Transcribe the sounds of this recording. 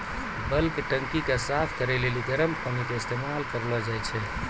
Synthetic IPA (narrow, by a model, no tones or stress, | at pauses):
bəlkeʈəŋkikesapʰkəɾɛleliɡəɾəmkəmikeɪst̪emalkəɾlɔd͡ʒajt͡ʃʰɛ